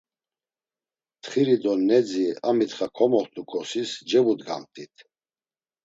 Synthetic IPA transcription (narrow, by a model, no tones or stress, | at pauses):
t̪χiɾid̪ɔnɛd͡ziamit̪χakʰɔmɔχt̪ʰʼukʼɔsisd͡ʒɛvud̪ɡa̰mt̪ʼit̪ʰ